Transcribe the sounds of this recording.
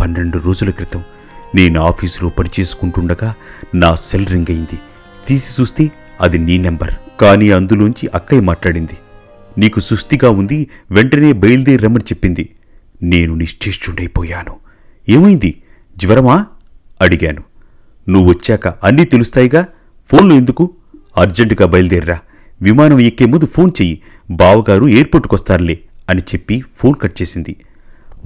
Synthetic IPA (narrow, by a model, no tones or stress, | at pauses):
pɐnːe̞ɳɖuɾo̞ːd͡ʒulɐkɾit̪ɐm | ne̞ːnuaːpʰiːslo̞ːpɐnit͡ʃeːsu̥kuɳʈuɳɖɐɡaːnaːselɾiŋɡɐjind̪i | t̪iːsi̥t͡ʃuːst̪e̞ː | ɐd̪iniːnembɐ̰ɾkaːniːɐnd̪uloːnuɲt͡ʃiʔɐkːɐjmaːʈlaːɽind̪i | niːkusɾust̪iɡaːund̪iʋeɳʈɐne̞ːbɐjld̪eːɾɐmɐnt͡ʃepːind̪i | ne̞ːnuniʂʈʰeːʂt͡ʃuɳɖɐjipɔːjaːnu | eːmɐjind̪i | d͡ʒʋɐɾɐmaː | ɐɽiɡaːnu | nuʋuʋɐt͡ʃːɛːkɐɐnːiːt̪e̞lust̪aːjiɡaː | pʰo̞ːnloːend̪uku | ɐɾd͡ʒeɳʈɡaːbɐjld̪eːɾiɾaː | ʋimaːnɐmekːeːmund̪upʰo̞ːnt͡ʃe̞ːji | baːʋɐɡaːɾue̞ːɾpoːʈːukʋɐst̪aːɾleːɐnit͡ʃe̞pːipʰo̞ːnkɐʈ̚t͡ʃe̞ːsind̪i